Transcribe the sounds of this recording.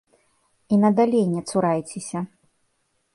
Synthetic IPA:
inɐd̪alʲenʲːɛt̪suɾajt͡sʲesʲɐ

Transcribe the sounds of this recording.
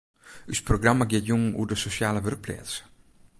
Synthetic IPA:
ysproɡramaɡjɪtjuŋṵdəsosjaːləʋørplɛ̰ːts

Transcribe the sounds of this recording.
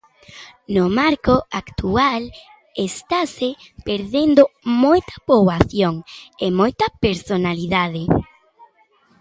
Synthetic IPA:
nomaɾkoakt̪ual | est̪ase | peɾðend̪omojt̪ɐ̥poβaθjoŋemojt̪ɐpeɾsonaliðaðe

